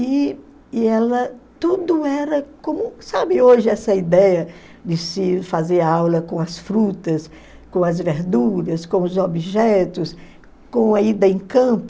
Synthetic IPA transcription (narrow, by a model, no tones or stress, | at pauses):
ɪ | ɛlɐt̪ud̪ʊɛɾɐkõmũsabɪoʒɪɛsɐid̪ɛjɐ | d͡ʒɪsɪfazeɾawlɐkõɐsfɾut̪ɐs | kõɐzveɾd̪uɾɐskõʊzobiʒɛt̪ʊs | kõɐid̪ɐẽkɐ̃pʊ